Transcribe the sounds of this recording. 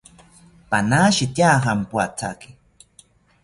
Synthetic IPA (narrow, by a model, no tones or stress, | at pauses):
panaːʃit̪jaːɦampwat͡sʰa̰ki̥